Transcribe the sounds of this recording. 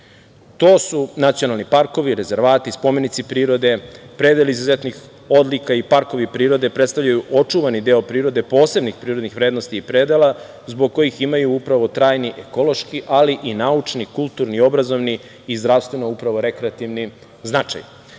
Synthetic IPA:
t̪o̞ːsunat̪sionalˠnipaɾko̞ʋiɾe̞ze̞ɾʋaːt̪ispo̞me̞nit̪sipɾiːɾo̞d̪epɾed̪eliizuzet̪nix | o̞d̪likaipaɾko̞ʋipɾiːɾo̞d̪e̞pɾet̪st̪avʎajuʔo̞t͡ʂuʋanid̪eːopɾiːɾo̞d̪e̞po̞ːse̞bnixpɾiːɾo̞d̪nixʋɾeːd̪no̞st̪iːpɾeːd̪elˠa | zboɡ̚kːo̞jiximajuupɾaʋo̞t̪ɾaːjniʔeko̞lˠo̞ʃkiʔaliʔinaut͡ʃnikulˠt̪uɾnio̞bɾazo̞ʋniː | zd̪ɾafst̪ʋenoupɾaʋo̞ɾekɾeat̪iʋni | znat͡ʃa̰j

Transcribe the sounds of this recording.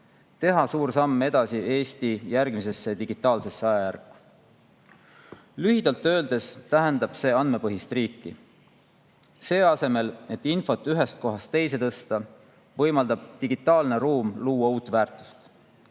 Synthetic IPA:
t̪e̞ɦɑsuːɾsɑmːe̞d̪̥ɑsiʔe̞ːst̪ijærɡ̥mise̞sːe̞t̪iɡ̥it̪ːˑɑːlse̞sːɑjɑjærkːu̥ | lyɦid̪ɑlt̪ːø̞ːld̪̥e̞st̪æɦe̞nd̪ɑb̥se̞ːɑnme̞pɤɦist̪riːkːi | se̞ːɑse̞me̞le̞t̪ːinfo̞t̪ːˑyɦe̞st̪̚ko̞ɦɑst̪ːe̞js̬e̞t̪ɤ̞st̪ɑ | vɤ̞jmɑld̪̥ɑb̥t̪iɡ̥it̪ːˑɑːlne̞ɾuːmluːwɑuːt̪ːvæːrt̪ˑu̥st̪

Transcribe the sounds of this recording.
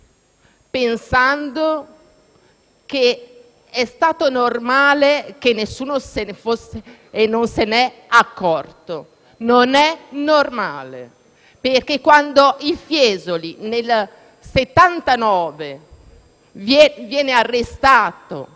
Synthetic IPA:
pensand̪o | ke | ɛst̪aːt̪onormaːlekenːesːuːnosenefosːeː | nːonsenɛakːɔrt̪o | nonɛnormaːlḛ | perkekːwand̪oilfjɛːzolinel | set̪ːant̪anɔːve | vɛvjɛːnearːest̪aːt̪o̰

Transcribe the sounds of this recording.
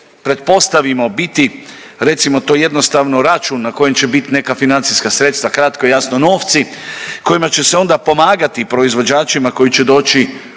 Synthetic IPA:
pɾe̞t̪̚po̞st̪aʋimo̞bit̪i | ɾe̞t̪simo̞t̪o̞ːje̞d̪no̞st̪aʋnoɾat͡ʃuːnːako̞je̞mt͡ɕe̞bit̪ne̞kafinant̪siskasɾe̞t̪st̪ʋakɾat̪koejasnono̞ːft̪siko̞jimat͡ʃe̞seo̞nd̪apo̞maːɡat̪ipɾo̞izʋo̞d͡ʒaːt͡ʃimako̞jit͡ɕe̞d̪o̞ːt͡ʃi

